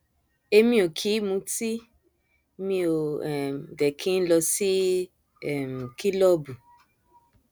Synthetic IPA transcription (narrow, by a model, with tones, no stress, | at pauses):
e˧mĩ˧˦o˨kʰi˨˦mũ˧˦ti˦ | mĩ˧o˨ɛ˨m˨dɛ˨kʰĩ˨˦n̩˦lɔ˧si˦ | ɛ˦˨m˨kʰi˦lɔ˦bu˨